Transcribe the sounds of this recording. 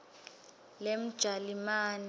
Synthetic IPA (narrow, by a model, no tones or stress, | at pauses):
lem̩d̥ʒ̥ʱalimaːni